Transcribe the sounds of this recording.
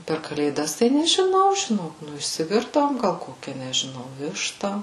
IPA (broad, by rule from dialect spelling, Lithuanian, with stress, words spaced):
pʲɛr kɐlʲeːˈdɐs tɐɪ nʲɛʒʲɪˈnɐʊ ʒʲɪˈnoːk ˈnʊ ɪʃʲsʲɪˈʋʲɪrdɐʋoːm ˈɡɐlˠ ˈkoːkʲɛ nʲɛʒʲɪˈnɐʊ ˈʋʲɪʃtɐ